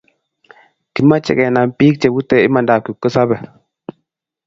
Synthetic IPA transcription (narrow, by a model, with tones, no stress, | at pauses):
ki˦nma˦t͡ʃɛ̰˨kɛ˨na˨npiː˦k̚t͡ʃɛ˨bu˦tɛ˦i˦ma˨nda˨ku˨kːə˦sa˦bɛ˨